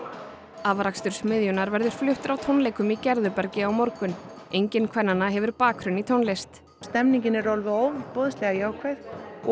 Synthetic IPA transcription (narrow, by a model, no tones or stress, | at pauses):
aːvaɾakst̪ʏɾ̥smɪðjʏnaɾvɛɾðʏɾ̥flʏht̪ʏɾawt̪ʰownleːjkʏmicɛɾðʏpɛɾcɪawmɔɾkʏn | ejɲcɪnkʰvɛnːanːaɦɛvʏɾpaːkʰɾʏnit̪ʰownlest̪ | st̪ɛmniɲcɪnɛɾɔlvʏowpɔːðʏst̪lɛɣajaːwkʰvɛjθ